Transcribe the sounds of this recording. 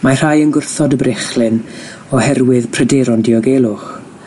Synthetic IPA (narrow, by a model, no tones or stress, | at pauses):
mar̥ajənɡʊrθɔdəbɾʔɪχlɨn | ɔhɛrwɪðpʰrədɛːɾɔndiɔɡelˠʊχ